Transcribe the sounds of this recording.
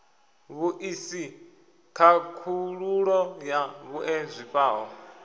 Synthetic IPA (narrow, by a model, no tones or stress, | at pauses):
βuʔisi | kʰakʰuɺuɺɔjaβuʔɛzʷiɸʼaːɦɔ̰